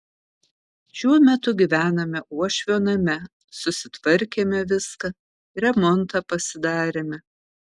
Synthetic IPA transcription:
ʃʲuɔmʲɛt̪ʊɡʲiʋʲæːnɐmʲɛʔuɔʃʲʋʲoːnɐmʲɛ | sʊsʲɪt̪ʋɐɾʲkʲeːmʲɛʋʲɪskɐ | ɾʲɛmɔnt̪ɑːpɐsʲɪd̪ɑːɾʲeːmʲɪ

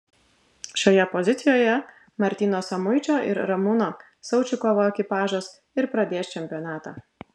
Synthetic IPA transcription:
ʃʲoːjɛpɔzʲɪt̪sʲɪjoːjɛ | mɐɾʲt̪ʲiːnoːsɐmʊɪt͡ʃʲoːʔɪ̰ɾɾɐmuːnoː | sɐʊt͡ʃʲʊkoːʋoːɛkʲɪpɑːʒoːs | ɪɾpɾɐd̪ʲeːst͡ʃʲɛmʲpʲɪjɔnɑːt̪ɑː

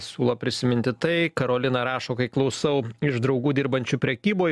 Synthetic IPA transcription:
sʲuːlˠɐpʲɾʲɪsʲɪmʲɪnʲt̪ʲɪt̪ɐɪkɐɾoːlʲɪnɐɾɑːʃoːkɐɪklˠɒʊsɐʊɪʒd̪ɾɐʊɡuːd̪ʲɪɾbɐnʲt͡ʃʲʊpʲɾʲɛkʲiːboː

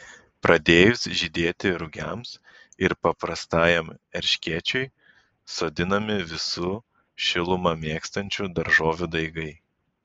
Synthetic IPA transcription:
pɾʔɐd̪ʲeːjʊsʒʲɪd̪ʲeːt̪ʲɪɾʊɡʲɛms | ɪɾpɐpɾɐst̪ɑːjɛmɛɾʲʃʲkʲeːt͡ʃʲʊɪ | soːd̪ʲɪnɐmʲɪʋʲɪsu | ʃʲɪlˠʊmɐmʲeːkst̪ɐnʲt͡ʃʲud̪ɐɾʒoːʋʲud̪ɐɪɡɐɪ

